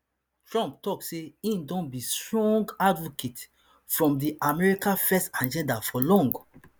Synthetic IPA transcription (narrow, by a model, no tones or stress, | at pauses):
tɹɔ̃mp̚tɔkseĩndɔ̃nbistɹɔ̃ŋɡadvoket | fɹɔ̃mdiʔamɛɹikãfɛstãnd͡ʒɛ̃ndafɔlɔ̃ŋɡ